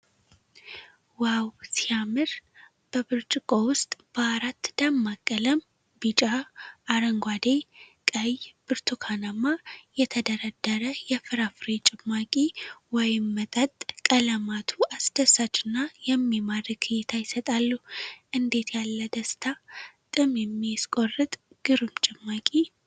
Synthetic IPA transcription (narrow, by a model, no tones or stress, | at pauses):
wawsijamɨɾ | b̥əbɨɾt͡ʃʼɪkʼo̞wʊst̪ʼb̥əaɾat̪ːd̪̥amːakʼːələm | bit͡ʃʼaːɾəŋɡʷad̪ejkʼəjb̥ɨɾt̪ʰukʰanamajɛt̪ʰəd̪əɾəd̪ːəɾəjɛfɨɾafɨɾet͡ʃʼɪmːakʼiwɔjɪmːət̪ʼət̪ʼkʼələmat̪ʰuasd̪̥əsat͡ʃːɪnːajɛmːimadəkʰɨjɪt̪ʰajɪsət̪ʼalːuhʔɨnd̪e̞t̪ʰjalːəd̪əst̪ʰat̪ʼɨmjɛmːijskʼo̞rːɨt̪ʼ | ɡ̥ɨɾɨmt͡ʃʼɪmːakʼi